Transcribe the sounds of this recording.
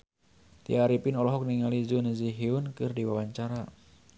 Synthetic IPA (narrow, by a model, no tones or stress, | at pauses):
t̪ḭaɾipɪnɔlɔɦɔk̚niŋalizunəziɦiunkɨrdiwawaɲt͡ʃaɾa